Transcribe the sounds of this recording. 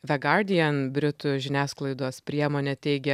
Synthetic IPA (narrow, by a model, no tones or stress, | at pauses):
ʋʲɛɡɑɾd̪ʲɪjɛnbʲɾʲɪt̪ʊʒʲɪnʲæːsklˠɐɪd̪oːspʲɾʲiɛmoːnʲeːt̪ʲɛɪɡʲɛ